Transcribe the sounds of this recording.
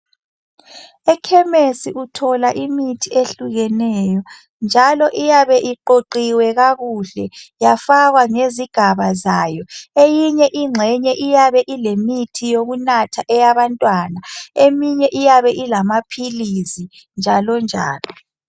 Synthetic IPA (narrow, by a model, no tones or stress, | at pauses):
ɛkʰɛmesiʔutʰɔlaʔimitʰieɬuɣɛnɛːjɔ | nd͡ʒʱalɔʔijaβɛʔiǃoǃiwɛɣaɣuɬɛjafaɣwaŋeziɡ̥ʱaβazajɔejiɲɛʔiŋ͡ǀʱɛɲɛʔijaβɛʔilemitʰijoɣunatʰaʔɛjaβantʼwanaemiɲɛʔijaβɛʔilamapʰilizi | nd͡ʒʱalɔnd͡ʒʱa̰ːlɔ